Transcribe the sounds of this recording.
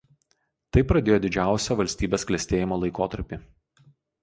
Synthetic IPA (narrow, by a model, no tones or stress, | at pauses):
t̪ɐɪpɾɐd̪ʲeːjoːd̪ʲɪd͡ʒʲæˑʊsʲɛʋɐlʲsʲt̪ʲiːbʲeːsklʲɛsʲt̪ʲeːjɪmoːlˠɐɪkoːt̪ɐɾʲpʲɪ